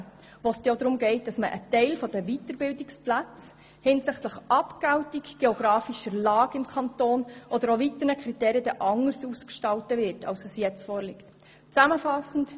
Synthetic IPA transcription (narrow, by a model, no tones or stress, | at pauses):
ʋost̪od̪ɾʊmɡɛɪt̚d̥ɑsməʔə̰tɛɪlfɔd̥̪əʋitəɾbɪldɪksplæt͡s | hɪnsɪχtləχʔɑpɡ̥awtiɡɡ̥eoɡ̥ɾɑːfiʃəlɑːɡɪmkʰχɑntoːnʔɔd̪əɾoʋit̪ənəkʰɾitɛːɾiədɛʔɑŋəɾsuːskʃtɑlwtəʋɪrtʰɑ̰lsəsjɛt͡sfɔːɾlɪkt | t͡sæməfɑsn̩t